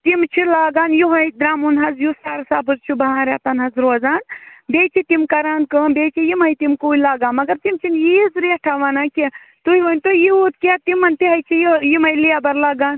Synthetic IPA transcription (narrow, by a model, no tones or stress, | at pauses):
t̪imt͡ʃʰilaːɡaːnjuɦɐjd̪ɾaːmunɦɐzjusaːɾsaːbɨzt͡ʃʰubɐɦãːɾat̪ɐnɦɐzɾoːzaːnbeːt͡ʃʰit̪imkɐɾaːnkəːnbeːt͡ʃʰijimɐjt̪imkuːilaːɡaːnmɐɡɐɾt̪imt͡ʃʰinjizɾeʈʰaʋaːnaki | t̪uhiʋɐnʲt̪ojiut̪kat̪imɐnt̪iɦɐjt͡ʃʰijijimɐjliabɐɾlaːɡaːn